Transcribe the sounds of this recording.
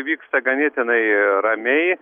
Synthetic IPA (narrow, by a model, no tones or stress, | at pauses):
ʋʲiːkst̪ɐɡɐnʲeːt̪ʲɪnɐɪɾɐmʲɛɪ